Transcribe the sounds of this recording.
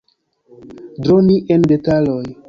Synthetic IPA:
dɾoniʔe̞nde̞talo̞j

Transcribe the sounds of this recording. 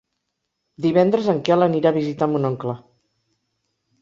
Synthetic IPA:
d̪iβɛnd̪ɾəzəŋkɛləniɾaβizit̪amunɔŋklə

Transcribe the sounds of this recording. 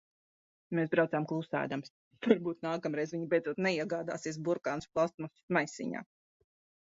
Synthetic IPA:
meːsbɾawt̪zaːmklˠusa̰ːd̪ams | vaɾbuːt̪̚naːkamɾɛjzviɲibɛjd̪zuɔt̪nɛiɛɡaːd̪a̰ːsiɛs̬buɾkaːnusplˠast̪̚mɔsʲi̥smajsʲḭɲa̰ː

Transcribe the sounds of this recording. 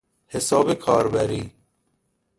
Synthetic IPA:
hesɔːbekʰɑːɾbæɾiː

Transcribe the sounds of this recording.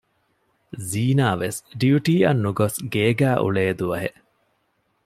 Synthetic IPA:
ziːnaːʋesɖiuʈiːɐ̰nːuɡosɡeːɡæːʔṵɭeːd̪uʋɐɦḛʔ

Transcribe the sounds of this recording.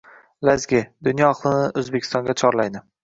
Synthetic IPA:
lazɡʲɪd̪ʊnjɒɒqlˠɪnɪʔɵzbekʲʰɪst̪ɒŋɡʲat͡ʃʰɒɾlajd̪nɪ

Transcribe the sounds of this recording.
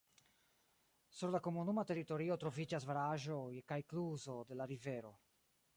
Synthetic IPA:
suɾlakomunumat̪erit̪oɾiot̪ɾovid͡ʒazvaɾaʒoekajkluzod̪elaɾiveɾo

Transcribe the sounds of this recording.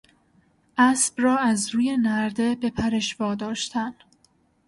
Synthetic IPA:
ʔæsb̥rɒːæzɾuːje̞næɾd̪e̞be̞pʰæɾeʃvɒːd̪ɒːʃt̪ʰæn

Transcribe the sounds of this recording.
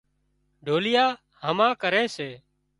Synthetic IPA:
ɖʱoːlɪjaː | həmãːkəɾeːseː

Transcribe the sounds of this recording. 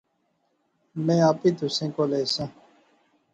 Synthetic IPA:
mẽːaːpiːt̪usẽːkoːleːsã

